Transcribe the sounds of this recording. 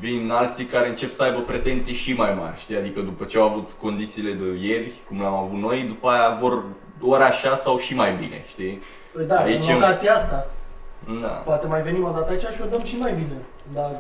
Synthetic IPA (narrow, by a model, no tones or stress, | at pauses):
vinalt̪sikaɾeɨnt͡ʃe̞psəajbəpɾe̞t̪e̞nt̪sijʃimajma̰rʲʃt̪iad̪ikəd̪upət͡ʃeawavut̪ko̞nd̪it̪siːle̞d̪əje̞rʲkumlamavut̪no̞jd̪upajavo̞r | oɾaʃasawʃimajbḭne̞̰ʃt̪i | d̪aait͡ʃeot̪at̪siast̪a | d̪a̰poat̪emajve̞nimod̪at̪əait͡ʃaʃiod̪əmʃimajbine̞ | d̪ar